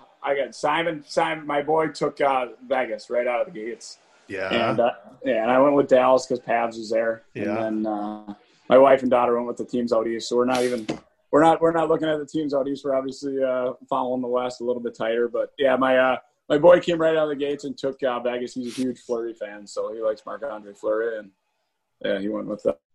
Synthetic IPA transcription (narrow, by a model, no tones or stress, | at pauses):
ʔaɪɡɑtsãɪ̃mɨ̃nsãɪ̃mnmaɪbɔɪtʰʊkʌvæɡɨsɹaɪɾaʊɾʌvðɨɡeɪts | jæʔɨ̃nʌjæɨ̃ñaɪwɛ̃nʔ̚wəðdælˠz̥kʰʌz̥pʰævzwʌzðə˞ɨ̃nnðə̃nʌ | mʔaɪwaɪfn̩dɔɾə˞wɛ̃ntwəðɨtʰĩmzaʊɾi̥soʊwəɹnəɾivɨ̃n | wəɹnət̚wəɹnətˡlʊkɪ̃ŋɨt̪̚ðɨtʰĩmzoʊɾizwə˞ɑbviɨsliʌfɑlˠoʊɪ̃ŋðəwæstəlɪɾl̩ˠbɪtʰaɪɾə˞bʌt̚jæmaɪʌ | maɪbɔɪkʰẽɪ̃mɹaɪɾaʊɾʌvðɨɡeɪtsɨ̃ntʰʊkʌbæɡɨshizɨhjʉd̥ʒ̥flɜ˞ifæ̃nsoʊilaɪksmɑ̰ɹkɑ̃ndɹiɪflɜ˞iɨ̃n | jæiwɛ̃nʔwəð̥ʌ̰